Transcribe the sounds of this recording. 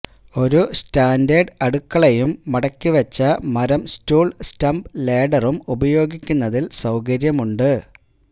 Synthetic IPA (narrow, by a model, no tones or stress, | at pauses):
o̞ɾustaːndɐɖɐɽukːɐɭejumːɐɽɐkʲːiʋɐt͡ɕːɐmɐɾɐmstuːɭstɐmbleːɖɐrumubɐjo̞ːɡikʲːunːɐðilsɐwkɐɾjɐmuɳɖɨ